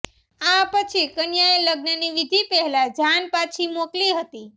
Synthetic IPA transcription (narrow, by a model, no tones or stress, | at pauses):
apət͡ʃʰikənjaeləɡnəniʋid̪ʱipɛɦɛlad͡ʒʱanpat͡ʃʰimokliɦət̪i